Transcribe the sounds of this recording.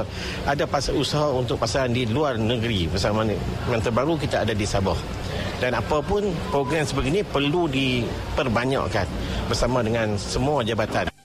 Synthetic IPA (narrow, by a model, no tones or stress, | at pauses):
adapasusaɦaunt̪ʊk̚pasaɾandiluarnə̃ɡəɾibərsamãjãnt̪əbaɾukit̪aadadisabah | danapapʊnpɾoɡɾɛmsəbəɡinĩpərludi | pərbaɲa̰ʔkan | bərsamãdəŋãnsəmuad͡ʒabat̪an